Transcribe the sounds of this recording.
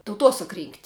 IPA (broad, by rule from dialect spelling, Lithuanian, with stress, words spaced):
tɐʊˈtoːsɐk rʲiːŋktʲ